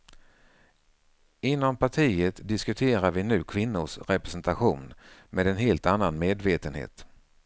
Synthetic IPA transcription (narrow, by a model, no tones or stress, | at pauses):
ɪnːɔmpʰaʈʰiːət̪d̪ɪskɵt̪ʰeːɾaɾvɪnʉ̟ːkʰvɪnːʊʂɾɛpɾɛsɛnt̪aɧuːnmʔeːd̪ɛnɦeːlt̪anːanmeːd̪veːt̪ənhḛːt̪